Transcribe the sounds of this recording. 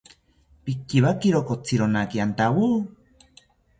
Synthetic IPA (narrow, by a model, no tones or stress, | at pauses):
pikːiβakiɾokot͡sʰiɾonakiant̪awu